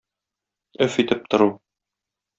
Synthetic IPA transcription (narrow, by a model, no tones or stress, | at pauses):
ɵfit̪ɘp̚t̪ŏɾu